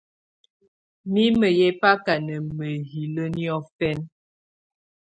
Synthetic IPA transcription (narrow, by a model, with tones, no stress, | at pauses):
mi˦mə˨jɛ˦pa˦ka˨nə˨mə˨ɦi˨lə˦ni˦ɔ˦fɛ˦n